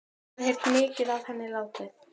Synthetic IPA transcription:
hejɾt̪mɪːcɪðavhɛnːɪlaːwt̪ɪ

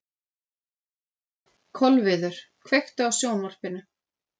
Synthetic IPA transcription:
kʰɔlvɪðʏɾ̥ | kʰvext̪aawsjoːwnvɔr̥pɪnːʏ

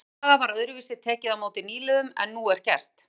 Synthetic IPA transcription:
aðapaːɾaœðɾʏviːsɪ̥t̪ʰɛːcɪðamoːwt̪ɪniːlɛðʏmɛ̰nːuɛɾ̥cɛ̰r̥t̪

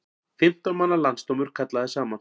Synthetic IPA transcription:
fɪm̥t̪ɔnmanːalanst̪owmʏɾ̥kʰat̪laðɪsaːman

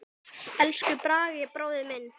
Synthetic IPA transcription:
ɛlskʏpɾaːɣɪpɾoːwðɪmɪnː

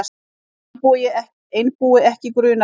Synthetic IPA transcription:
pujɪɛh | ejnpuːɪɛhcɪkɾʏːna

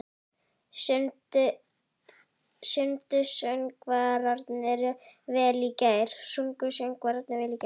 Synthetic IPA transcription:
sʏnt̪ʏ | sʏnt̪ʏsœŋkvaɾaɾt̪nɪɾvɛːliːcajɾ̥suŋkʏsœŋkvaːɾaɾt̪nɪvɛːliːca

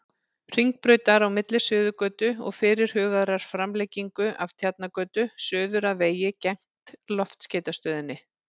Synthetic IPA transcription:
r̥iŋk̚pɾœːɥt̪aɾawmɪt̪lɪsʏːðʏkœːt̪ʏɔ̰ɣfɪːɾɪɾ̥hʏːɣaðɾaɾ̥fɾamlejciŋkʏʔav̥t̪ʰjat̪̚nakœːt̪ʏsœːðʏɾaveːjɪcɛŋ̥t̪lɔft̪sceːjt̪ast̪œːðɪnːɪ

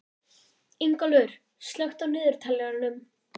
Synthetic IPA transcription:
iŋkɔlʏɾ̥ | st̪lœxt̪awnɪːðʏɾ̥t̪ʰalːɛɣaɾnʏm

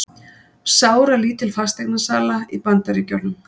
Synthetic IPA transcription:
saːwɾaliːt̪ɪlfast̪eknasaːlaipant̪aɾɪcœɾnʏm

